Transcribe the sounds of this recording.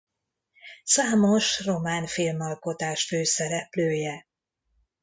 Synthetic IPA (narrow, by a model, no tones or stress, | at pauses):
saːmo̞ʃro̞maːnfilmɒlko̞t̪aːʃføːsɛɾɛpløːjɛ